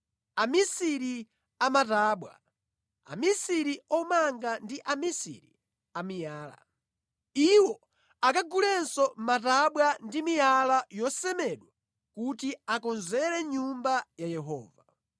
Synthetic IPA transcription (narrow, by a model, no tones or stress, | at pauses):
amisiɾi | amataːɓwa̰ | a̰misiɾiɔmaŋɡandiʔamisḭɾi | amijaːla̰ | iwɔ | akaɡulɛnsɔmataɓwandimijalajɔsɛmɛɗwa | kutiakɔnzɛɾɛɲumbajajɛɦɔ̰ːva